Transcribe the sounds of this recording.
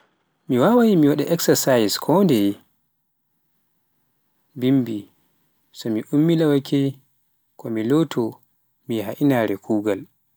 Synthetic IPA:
miwawajimiwaɗɛʔɛksɛsajskʰɔndɛ | bimbi | sɔmiʔumːilawakʰɛ | kʰɔmilotʰɔ | mijɛɦaʔinaɾɛkʰuːɡal

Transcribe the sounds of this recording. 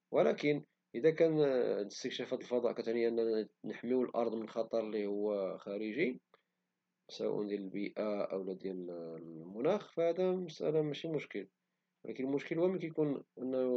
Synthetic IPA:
wəlækən | ʔəd̪ækænəst̪əkʃæfæt̪əlfɑd̪ˤɑʔkæt̪ʕniʔənːænəħmiwəlʔɑ̰ɾˤd̪ˤmənxɑt̪ˤɑɾˤlihʊwːxæɾəʒi | swæ̰ʔæ̰nd̪jæləlbiʔaʔæ̰wlæd̪jælmʊnæxfæhæd̪æmæsʔæ̰lamæʃimʊʃkəl | wlʔæ̰kənəlmʊʃkəlhuwæməkæjkunʔənːæ

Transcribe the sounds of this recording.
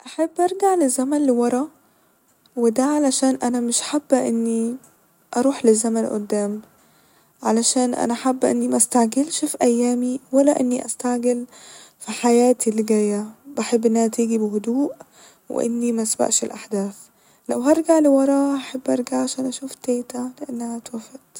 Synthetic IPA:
ʔaħabːʔɑɾˤɡaʕlɪzːamanlɪwɑɾˤɑ | wɪd̪aʕalaʃaːnʔanamɪʃħabːʔɪnːi | ʔɑɾˤuːħlɪzːamanʔʊ̰d̪ːaːm | ʕalaʃaːnʔa̰naħabːʔɪ̰nːimaʔst̪aʕɡɪlʃfiʔæjːaːmiwalːaʔɪnːiʔast̪aʕɡɪlfiħajaːt̪ilːɪɡaːjːabaħɪbːʔɪnːt̪iːɡibɪhʊd̪uːʔ | wɪ̰ʔɪ̰nːimasba̰ʔʃɪlʔaħd̪aːθ | lawɦɑɾˤɡaʕlɪwɑɾˤɑːaħabːʔɑɾˤɡaʕʕaʃaːnʔaʃuːft̪eːt̪alɪʔanːahat̪wafad̪

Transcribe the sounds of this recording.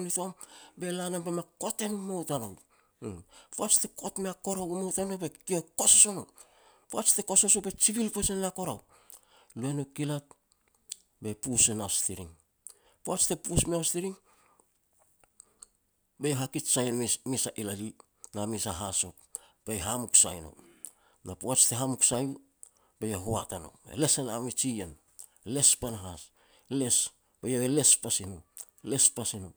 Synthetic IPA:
nitombe̞lanombemako̞te̞numowtanow | poat͡ʃte̞ko̞tmeako̞ɾawumowtanobe̞kioko̞soso̞no | poat͡ʃtekoso̞sobe̞t͡ʃiβilpesenako̞ɾaw | luenokilat̚ | be̞pusenaostiɾḭŋ | poat͡ʃte̞pusmeastiɾiŋ | bejaɦakitsajnmisaʔilali | namisaɦaso̞pb̥ejɦamuksa̰jno̞̰ | napoat͡ʃte̞ɦamuksaju | bejaɦoatano̞̰ḛle̞senamit͡ʃien | le̞spanaɦas | le̞s | b̥ejaβele̞spasino | le̞spasino

